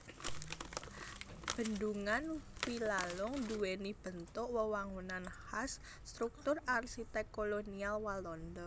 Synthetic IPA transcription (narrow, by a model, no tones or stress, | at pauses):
b̥ə̤nduŋanwilalʊŋd̪uwenib̥ə̤nt̪ʊʔwəwaŋunanhasː | t̪ɾuk̚t̪ʊrarsit̪ɛkːolonialwalɔndɔ